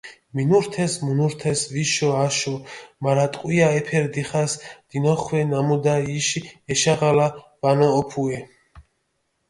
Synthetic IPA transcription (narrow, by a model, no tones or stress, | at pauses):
minuɾt̪ʰɛsmunuɾt̪ʰɛsviʃɔaʃɔmaɾat̪ʼqʼwiaɛpʰɛɾd̪iχasd̪̥inɔχwɛnamud̪aiʃiɛʃaʁala | v̥anɔːpʰuɛ